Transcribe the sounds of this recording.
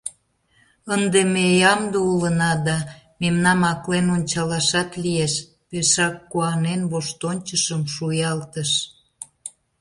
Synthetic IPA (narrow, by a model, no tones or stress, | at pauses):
ənd̪emejɑmd̪oulənɑd̪ɑ | memnɑmɑklenonʲt͡ɕɑlɑʃɑt̪lieʃ | peʃɑkːuɑnenβoʃt̪onʲt͡ɕəʃəmʃujɑlt̪əʃ